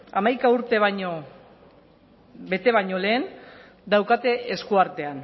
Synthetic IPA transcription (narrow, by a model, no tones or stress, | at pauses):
amajkauɾt̪e̞βaɲo̞ | βe̞t̪e̞βaɲo̞le̞ːn | d̪awkat̪e̞ʔeskuaɾt̪e̞an